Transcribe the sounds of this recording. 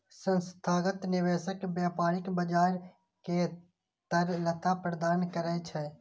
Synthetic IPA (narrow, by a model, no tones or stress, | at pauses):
sə̃nst̪ʰaːɡət̪nɪʋeːʃəkbɛːpaːɾɪkbəd͡ʒaːɾ | ke | t̪əɾlət̪ʰapɾəd̪aːnkəɾɛːt͡ʃʰɛ